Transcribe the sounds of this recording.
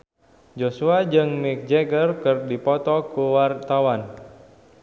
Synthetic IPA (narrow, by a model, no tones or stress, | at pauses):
d͡ʒosuad͡ʒɨŋmɪk̚d͡ʒɛɡərkɨrdipɔt̪ɔkuwart̪awan